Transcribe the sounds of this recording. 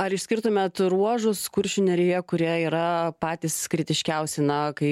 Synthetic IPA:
ɐɾɪʃʲsʲkʲɪɾt̪ʊmʲɛt̪ɾuɔʒʊskʊɾʲʃʲʊnʲɛɾʲejɛkʊɾʲiɛiːɾɐpɑːt̪ʲiːskɾʲɪt̪ʲɪʃʲkʲɛʊsʲɛnɐkɐɪ

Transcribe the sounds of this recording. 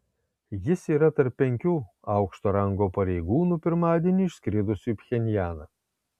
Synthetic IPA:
jɪsiːɾɐt̪ɐɾpʲːɛŋʲkʲuː | ɐʊkʃt̪oːɾɐŋɡoːpɐɾʲɛɪɡuːnupʲɪɾmɑːd̪ʲiɛnʲiːɪʃsʲkʲɾʲɪd̪ʊsʲuːpʲxʲɛnʲjæːnɐ

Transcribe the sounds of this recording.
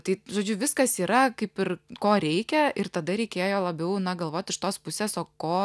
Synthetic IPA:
t̪ɐɪʒoːd͡ʒʲʊʋʲɪskɐsiːɾɐkɐɪpɪrkoːɾʲɛɪkʲɛʔɪrt̪ɐd̪ɐɾʲɛɪkʲeːjoːlˠɐbʲɛʊnɐɡɐlˠʋoːt̪ʲɪʃt̪oːspʊsʲeːsoːkoː

